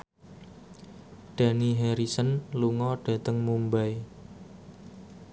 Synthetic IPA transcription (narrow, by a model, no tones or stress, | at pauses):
ɖ̥a̤niɦeɾisənluŋɔɖ̥ä̤t̪əŋmumbaj